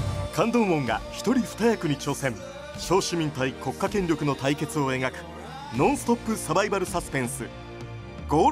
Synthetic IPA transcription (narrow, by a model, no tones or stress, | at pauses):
kʰãnd̪õ̞ɰ̃ːõ̞ŋɡa̰çi̥t̪o̞ɾʲiɸɯ̥t̪ajakɯ̟ɲ̟it͡ɕo̞ːsẽ̞m | ɕo̞ːɕimʲĩnt̪aiko̞kːakẽ̞ɲɾʲo̞kɯ̟not̪aike̞t͡sɨo̞e̞ɡakɯ̟̥ | nõɰ̃sɨ̥t̪o̞pːɯ̟sabaibaɾɯ̟sasɨ̥pẽɰ̃sɨ | ɡ̥oː